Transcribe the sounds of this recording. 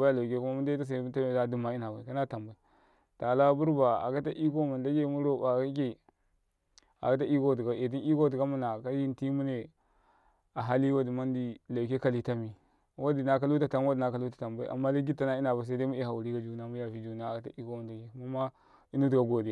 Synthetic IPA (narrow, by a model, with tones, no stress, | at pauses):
a˦a˦la˨ke˦ku˦ma˦mu˦n˦da˦ta˦s̬a˨˦u˦a˦m˦˨a˦du˦ma˨i˦na˨ba˨i˨ka˦na˦ta˨mba˨i˦ | ta˨la˦bu˦ɾba˨a̰˨ka˦ta˦ʔi˦ko˦mu˨nda˦ɡʲe˦˨mu˦ɾo˦˨ba˨ka˦k̬e˦ | a̰˨ka˦t̬a˦ʔi˦ko˦˨t̬i˨ɡa˨e˨t̬i˦ni˦ko˦ti˨ɡa˦mu˦na˨ka˦ji˦nti˦mu˦ne˨ | a˨ɦa˦li˦wa˦di˨ma˦n˦di˨la˨wke˦ka˨li˦ta˦mi˨ | wa˦di˨na˦ka˦lu˦ta˨ta˨m˦wa˦di˨na˦ka˦lu˦tḁ˨ta˨mba˦ḭ˦ʔa̰˨mːa˦di˦ɡi˦ta˦na˦i˦na˨ba˨s̬a˦da˦mu˦e˦ha˨wu˨ɾi˦ɡa˦d͡ʒu˨na˦mu˦ja˨fi˦d͡ʒu˨na˦˨ka˨ta˦ʔi˦ko˦ma˨nda˨ɡe˨˦mu˦ma˦ | i˦nu˦tu˨ɡa˨ɡo˨di˨